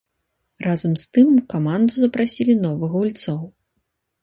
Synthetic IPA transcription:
razɐmst̪ɨmkamand̪uzɐpɾasʲilʲinɔvɨɣɐulʲt̪sɔw

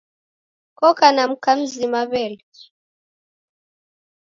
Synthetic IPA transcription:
kɔkanam̩kam̩zimaβɛl

